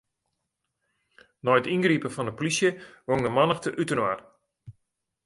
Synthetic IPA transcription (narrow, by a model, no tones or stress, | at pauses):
nɔjətinɡripəfɔndəpolisjəʋoŋdəmanəxtəʔytənwar